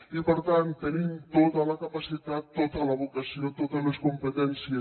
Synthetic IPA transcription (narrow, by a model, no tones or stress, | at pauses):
ipəɾt̪ant̪ːənimt̪ot̪ələkapasit̪at̪ːot̪ələβukəsiot̪ot̪ələskumpət̪ɛnsiə